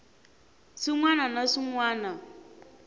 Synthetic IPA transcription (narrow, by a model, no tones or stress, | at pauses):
sɪŋwananasɪŋwaːna